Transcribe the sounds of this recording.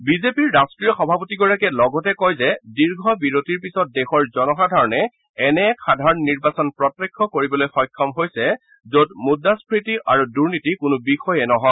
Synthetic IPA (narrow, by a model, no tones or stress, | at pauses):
bizepiɹːaskɹijɔxɔbʱapotiɡɔɹakɛlɔɡɔtɛkɔjzɛdiɹɡʱɔbiɹotiɹpisɔt̚dɛxɔɹzɔnɔxadʱaɹɔnɛ | ɛnɛxʰadʱaɹɔnniɹbasɔnpɹɔtːekʰːɔkoɹibɔlojxɔjkʰːɔmɦojsɛ | zodmudaspɹitiʔaɹuduɹnitikʊnʊbixɔjɛnɔɦɔ